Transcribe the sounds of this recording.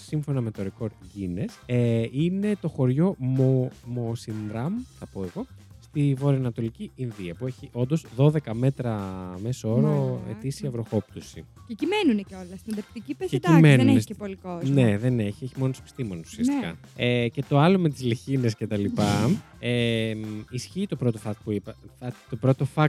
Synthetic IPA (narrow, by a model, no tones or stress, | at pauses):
siɱfo̞nɐmet̪o̞ɾeko̞ɾd̪ʝineseine̞t̪o̞xo̞ɾʝo̞omosinɾɐmθɐpoeɣo̞st̪ivo̞ɾiɐnɐt̪o̞liciinðiɐpue̞çiʔo̞nd̪o̞zðo̞ðe̞kɐme̞t̪ɾɐme̞soo̞ɾɐoḛt̪isiɐvɾo̞xo̞pt̪osicecimenuneceolɐst̪ind̪ɐpt̪icipeecimeneunesepolikoznne̞ðe̞neçieçimo̞notse̥pi̥st̪imonesu̥siɐst̪kɐ̰ece̞t̪o̞ɐlo̞met̪izliçine̞sce̞t̪ɐlipɐ | emisçiːt̪o̞pɾo̞t̪o̞fɐkpuipɐɐt̪opɾo̞t̪o̞fɐk